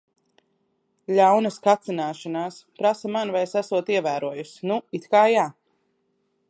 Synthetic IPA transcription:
ʎʲawnɐskat̪sinaːʃanaːspɾasamanvajsæsuɔt̪iɛvæːɾuɔjusnuit̪kaːjaː

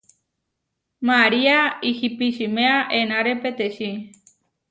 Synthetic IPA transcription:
maɾiaihipiʃimeaʔenãɾepet̪eʃi

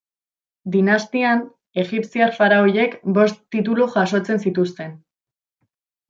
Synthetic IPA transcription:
d̪inast̪ian | e̞ɣipsiaɾfaɾaoje̞kbo̞st̪ːit̪̬uluʝaʃo̞t͡se̞nsit̪ust̪e̞n

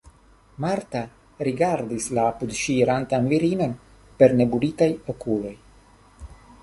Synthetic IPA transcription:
maɾta | ɾiɡaɾdislaːpud̪ʃiɾantanviɾino̞n | pe̞ɾne̞bulitajo̞kulo̞j

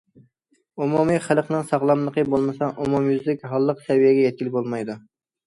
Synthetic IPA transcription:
umumiχælˠqnɨŋsɑʁlˠɑmlˠəqʰəbolˠmɨsɑʔumumjyzlɪkʲɦɑlˠːəqsɛvijɛɡʲɛjɛt̪̚kʲilɪk̚ʲbolˠmɑjd̪u

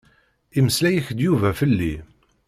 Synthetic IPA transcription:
iməslæjəçd̪juvæfəlːi

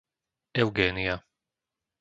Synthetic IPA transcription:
ɛʊɡɛːnia

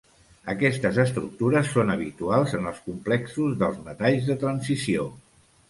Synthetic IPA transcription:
əkɛst̪əzəst̪ɾṵk̚t̪uɾəsːonəβḭt̪ualˠzənəlˠskumplɛksuzðəlˠzmət̪aʎzðət̪ɾənsisio

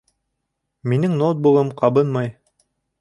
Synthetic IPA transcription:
minɘŋnot̪̚bulˠɤmqɑβɤnmɑj

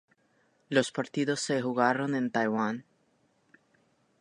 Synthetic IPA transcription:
lo̞spaɾt̪iðo̞sːe̞xuɣaɾo̞nẽ̞nt̪ajwan

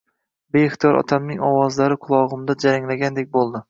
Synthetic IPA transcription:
be̞ɪχt̪ijɒɾʔɒ̰t̪ʰamnɪŋɒwɒzlaɾɪqʰʊlˠɒʁʊmd̪ad͡ʒaɾaŋlaɡʲand̪ek̚ʲbolˠd̪ɪ

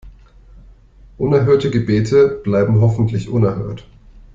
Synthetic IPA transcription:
ʔʊnɛɐɦøːɐtəɡəbeːtʰəb̥laɪbm̩ɦɔfn̩tʰlɪçʔʊnɛɐhø̰ːɐt

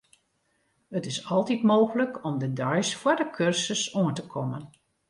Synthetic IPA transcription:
ətɪsɑlˠtitmoːɣələkʰɔmdədœɥsfwədəkʰørsəsoəntəkʰɔmən

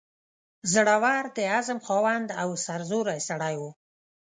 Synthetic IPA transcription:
zəɽawɑɾd̪əazəmxɑwand̪awsaɾzuɾajsaɽajwu

